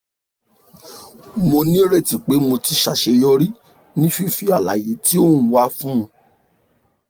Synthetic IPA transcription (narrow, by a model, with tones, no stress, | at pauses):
mo˧nĩ˦ɾe˦˨ti˨k͡pe˨˦mo˧ti˧ʃa˨ʃe˧jɔ˧ɾi˦ | nĩ˦fi˦˨fi˦a˦˨la̰˨je˨˦ti˦o˦˨ũ˦wa˦fũ˦˧˦